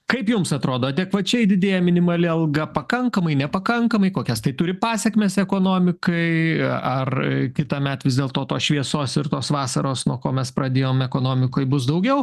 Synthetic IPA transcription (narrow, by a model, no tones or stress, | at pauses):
kɐɪpjʊmsɐt̪ɾoːd̪oːdʲɛkʋɐt͡ʃʲɛɪd̪ʲɪd̪ʲeːjɛmʲɪnʲɪmɐlʲɪɐlˠɡɐpɐkɐŋkɐmɐɪnʲɛpɐkɐŋkɐmɐɪkoːkʲɛst̪ɐɪt̪ʊɾʲɪpɑːsʲɛkmʲeːsɛkoːnoːmʲɪkɐɪɐrkʲɪt̪ɑːmʲɛt̪ʋʲɪzd̪ʲeːlˠt̪oːt̪oːsʃʲʋʲiɛsoːsɪrt̪oːsʋɑːsɐɾoːsnuɔkoːmʲɛspɾɐd̪ʲeːjoːmɛkoːnoːmʲɪkoːjbʊsd̪ɐʊɡʲɛʊ